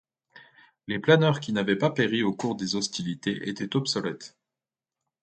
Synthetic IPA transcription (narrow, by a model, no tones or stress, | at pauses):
leplanœʁkʲinavɛpapeʁiokuʁd̪ezɔst̪ilit̪eʔet̪ɛt̪ɔpsɔlɛt̪